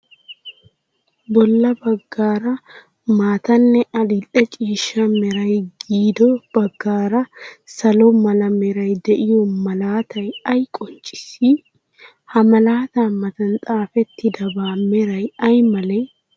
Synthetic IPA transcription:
bɔlːɐbɐɡːaːɾɐ | maːt̪ɐnːɛʔɐlɪlɛt͡ʃʼiːʃːɐmɛɾɐjɡiːd̪ɔb̥ɐɡːaːɾɐsɐlɔmɐlɐmɛɾɐjd̪ɛʔɪjɔmɐlaːt̪ɐjɐjkʼɔnt͡ʃʼːɪ̥sːi | hɐmɐlaːt̪aːmɐt̪ɐnt̪ʼaːfɛt̪ːɪd̪ɐbaːmɛɾɐjɐjmɐlɛj

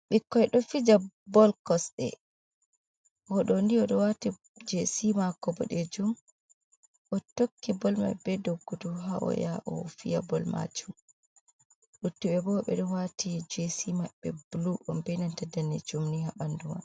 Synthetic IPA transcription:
ɓikːɔjɗɔfid͡ʒa | bɔlkɔsɗɛ̰ | hɔɗɔndiɔɗɔwati | d͡ʒesimakɔbɔ̰ɗɛd͡ʒum | ʔɔtokːibɔlma̰bɛdoɡːuduɦaʔɔ̰jaʔɔ̰fija̰bɔlma̰d͡ʒum | ɗutːuɓɛbɔɓɛ̰ɗɔwatʰid͡ʒesimaɓːɛbuluʔɔmbɛnantɛdːanːɛ̰d͡ʒumnihaɓanduma̰n

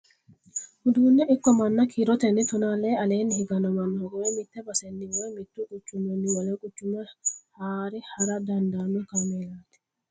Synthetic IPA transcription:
hʊd̪uːnːɛɪkːɔmɐnːɐkʰiɾɔt̪ɛnːɪt̪ʊnaːleːɐle̞ːnːɪhɪɡɐnɔmɐnːɔɔɡɔwɛmɪt̪ːɛbɐsɛnːɪwɔjmɪt̪ːukʼʊt͡ʃːʊmɐnːɪwɐlekʼʊt͡ʃːʊmɐhaːɾɛhɐɾɐd̪ɐnd̪aːnːʊkɐmeːlaːt̪ɛ̥

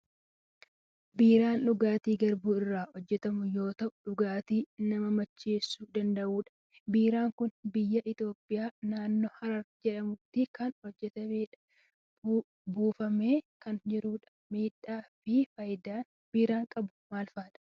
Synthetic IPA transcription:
biːɾaːnᶑʊɡaːt̪iːɡɐɾbuːɪrːaːhɔd͡ʒːɛt̪ɐmʊjo̞ːt̪ɐʔʊᶑʊɡaːt̪iːnɐmɐmɐt͡ʃːeːsːuːd̪ɐnd̪ɐʔuːᶑɐ̥ | biːɾaːŋkʊnbɪjːɐʔɪt̪o̞ːpʼːɪjaːnaːnːoːhɐɾɐɾd͡ʒɛᶑɐmʊt̪ːɪkɐnhɔd͡ʒːɛt̪ɐmeːᶑɐ | buːfɐme̞ːkɐnd͡ʒɪɾuːᶑɐ̥miːᶑaːfɪfɐjd̪aːn | b̥iːɾaːŋkʼɐbʊ̥maːlfaːᶑɐ̥

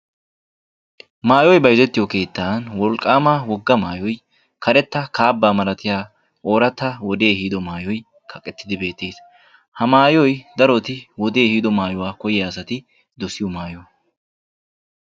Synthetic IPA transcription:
maːjɔjbɐjzɛt̪ːɪjɔke̞ːt̪ːaːnwɔlkʼːaːmaːwɔɡːɐmaːjɔj | kʰɐɾɛt̪ːɐkaːbːaːmɐlɐt̪ɪjaː | ʔo̞ːɾɐt̪ːɐwɔd̪e̞ːhiːd̪ɔmaːjɔj | kʰɐkʼːɛt̪ːɪd̪ɪbe̞ːt̪ːeːs | hɐmaːjɔjd̪ɐɾɔt̪ɪwɔd̪e̞ːhiːd̪ɔmaːjɔwaːkɔjɪjasɐt̪ɪ | d̪ɔsɪjɔmaːjɔw

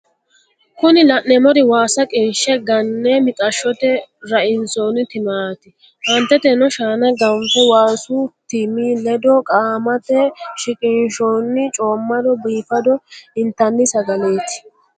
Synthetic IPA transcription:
kʊnɪlɐʔnɛmɔd̪ɪwaːsɐkʼɪnʃɛɡɐnːɛmɪtʼɐʃːɔt̪ɛɾɐʔɪnsoːnɪt̪ɪmaːt̪ɪ | hɐnt̪ːɛt̪ɛnɔʃaːnɐɡɐmfɛwaːsut̪ɪmiːlɛd̪ɔkʼaːmɐt̪ɛʃɪkʼɪnʃoːnːɪt͡ʃʼoːmːɐd̪ɔbiːfɐd̪ɔɪnt̪ɐnːɪsɐɡɐme̞ːt̪ɪ̥

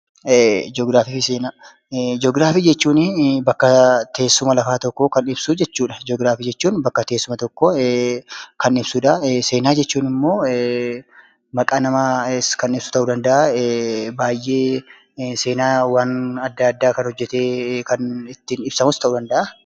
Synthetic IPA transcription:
d͡ʒoːɡɾaːfiːfɪseːnaː | d͡ʒɔːɡɾaːfiːd͡ʒɛt͡ʃːuːnɪbɐkːɐt̪ʰe̞ːsːʊmɐlɐfaːt̪ɔkːɔkɐnɪb̥suːd͡ʒɛt͡ʃːuːᶑɐd͡ʒoːɡɾaːfiːd͡ʒɛt͡ʃːuːnbɐkːɐt̪eːsːʊmɐt̪ɔkːɔ | kɐnɪb̥suːᶑɐse̞ːnaːd͡ʒɛt͡ʃːuːnɪmːo̞ː | mɐkʼaːnɐmaskɐnɪbsʊ̥t̪ɐʔuːd̪ɐnd̪ɐʔa | baːjʔːe̞ː | se̞ːnaːwaːnɐd̪ːaɐd̪ːaːkɐnhɔd͡ʒːɛt̪eːkɐnɪt̪ːɪnɪb̥sɐmʊst̪ɐʔuːd̪ɐnd̪ɐʔa

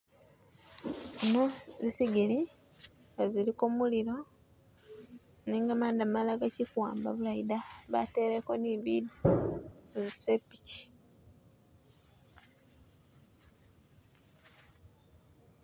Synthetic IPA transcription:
enozisiɡili | ŋɡazilikomuliɾo̞ | niːŋɡamaːndamalaɡacikwaːmba̰βulajidaβa̰te̞ːɾeko̞niβidi | zisepici̥

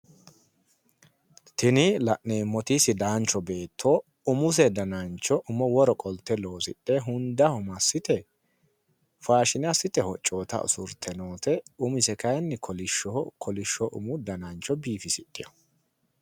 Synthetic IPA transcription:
t̪ɪnɪlɐʔneːmːɔt̪isɪd̪aːnt͡ʃːɔbe̞ːt̪ʰːoː | ʊmʊs̬ɛd̪ɐnɐnt͡ʃːɔʔʊmɔwɔɾɔkʼɔlt̪ːɛlo̞ːsɪ̰ɗʼeɦʊnd̪ɐhʊmɐsːɪt̪ɛ | faːʃɪnɛɐsɪt̪ɛhɔt͡ʃʼːo̞ːt̪ɐ̰ʊ̰sʊɾt̪ʰːɛnoːt̪ɛʊmɪsɛkɐjnːɛkʰɔlɪʃːɔkʰɔlɪʃːɔʔʊ̰mʊd̪ɐnɐnt͡ʃːɔbiːfɪsɪtʼːɪjɔ

